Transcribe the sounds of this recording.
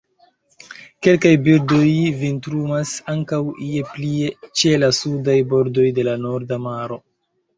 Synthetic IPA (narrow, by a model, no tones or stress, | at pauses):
ke̞lkajbildo̞jvintɾumasaŋkawie̞plie̞t͡ʃe̞lasudajbo̞ɾdo̞jde̞lano̞ɾdamaɾo̞